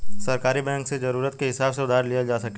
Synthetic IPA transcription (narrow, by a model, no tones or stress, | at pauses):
sɐɾkaːɾibɛ̃ːŋksezɐɾuːɾət̪keɦɪsaːbseʊd̪ʱaːɾlijad͡ʒaːsɐke